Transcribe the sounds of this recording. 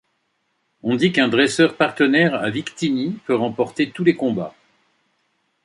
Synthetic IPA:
ɔ̃d̪ikɛ̃d̪ʁɛsœʁpaʁt̪ənɛʁavikt̪inipøʁɑ̃pɔʁt̪et̪ulekɔ̃ba̰

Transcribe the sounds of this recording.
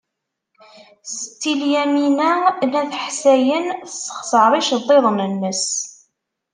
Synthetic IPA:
st̪ːiljæminænæθəħsæjənəsˤːə̥χsəɾˤiʃðˤːeðˤnənːəs

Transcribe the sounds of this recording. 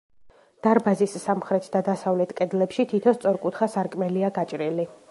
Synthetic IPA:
d̪̥aɾbazisːamχɾɛt̪ʰd̪ad̪asavlɛt̪ʰkʼɛd̪lɛpʃit̪ʰit̪ʰɔst̪sʼɔɾkʼut̪ʰχasaɾkʼmɛliaɡat͡ʃʼɾili

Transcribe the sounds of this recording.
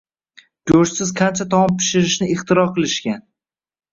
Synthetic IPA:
d͡ʒoʃsɪz̥qʰant͡ʃʰat̪ʰɒmɒmpʰɪ̥ʃɪɾɪʃnɪɪχt̪ʰɪɾɒqɨlˠɪʃkʲan

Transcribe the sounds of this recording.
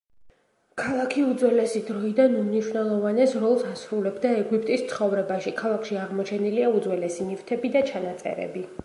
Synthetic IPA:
kʰalˠakʰiud̪zwɛlɛsid̪ɾɔid̪anumniʃwnɛlˠɔvanɛsɾɔlˠsasɾulɛbd̪aɛɡwip̚ʼt̪ʼist̪sʰχɔvɾɛbaʃikʰalˠakʰʃiaʁmɔt͡ʃʰɛniliaud̪zwɛlɛsinift̪ʰɛbid̪at͡ʃʰanat̪sʼɛ̰ɾɛ̰bi

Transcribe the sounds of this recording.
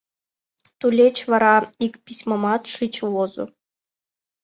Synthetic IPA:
t̪ulʲet͡ɕʋɑɾɑikpʲisʲmomɑt̪ʂɨt͡ɕwozṵ

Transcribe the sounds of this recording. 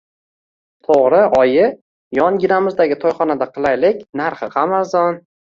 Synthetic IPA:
t̪ʰoʁɾɪʔɒjɪ | jɒnɡʲɪɾamɪzd̪aɡʲɪt̪ʰɒjχɒnad̪aqʰɨlˠajlɪkʲnaɾχɨqʰɑmazɒn

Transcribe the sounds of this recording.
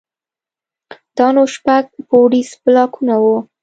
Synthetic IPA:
d̪̥ɑnoʃpaɡ̚poɽisplɑkʰunawu

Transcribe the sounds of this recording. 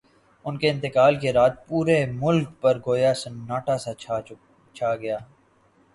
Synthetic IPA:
ʊnkeɪ̃nt̪ɪkaːlkeɾaːt̪̚puːɾemʊlk̚pɐɾɡoːjasnaːʈasa | t͡ʃʰaːɡɐjaː

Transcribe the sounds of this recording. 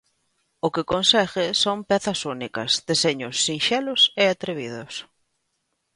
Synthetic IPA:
ʊkɪkonsɛɣɪsompɛθɐsunikɐ̰zðeseɲʊsːinʃɛlʊseat̪ɾeβiðʊs

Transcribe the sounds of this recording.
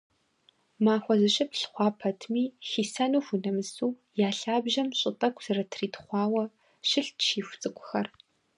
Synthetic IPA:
maːxʷɔzɨɕʼɪpɬχʷɑːpʰɐtʰmiːxiːsanuːxʷunɐmɨsuː | jaːɬaːbʒɐmɕʼɪtʼɐkʷʰʼz̥ɐrɐtʰriːtχʷɑːwɐ | ʃɪɬtʃiːxʷt͡sʼɨkʷʼʊxɐr

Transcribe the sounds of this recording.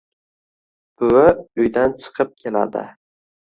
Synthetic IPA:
bʰʊɪʊjd̪ant͡ʃʰɨ̥qʰɨp̚kʲʰe̞la̰d̪ɪ̰

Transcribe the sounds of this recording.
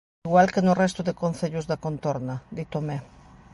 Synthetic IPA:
ɣwalkenorest̪uðekonθeʎuzðakont̪oɾnad̪it̪ome

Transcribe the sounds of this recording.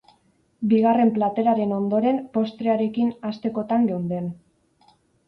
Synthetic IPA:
biɣare̞mplat̪e̞ɾaɾe̞no̞nd̪o̞ɾe̞mpo̞st̪ɾeaɾe̞kinast̪e̞ko̞t̪aŋɡewnd̪e̞n

